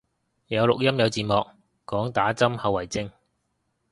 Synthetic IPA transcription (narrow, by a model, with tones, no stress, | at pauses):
jɐ˨˧wlʊ˨k̚jɐ˥mjɐ˨˧wt͡siː˨nmɔː˨k̚ | kɔː˨˥ŋt̪aː˨˥t͡sɐ˥mhɐ˨˧wːɐ˨˩jt͡sɪ˥ŋ